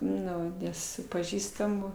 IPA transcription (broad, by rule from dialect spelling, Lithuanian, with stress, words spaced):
ˈnʊ ˈnʲɛs sʊ pɐˈʒʲiːstɐmʊ